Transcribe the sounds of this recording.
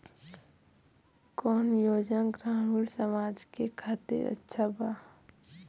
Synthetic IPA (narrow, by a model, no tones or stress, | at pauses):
kɔːnjoːd͡ʒaɡɾãːmuːlsəmaːd͡ʒkekʰaːt̪ḛɾə̰tːʃʰabaː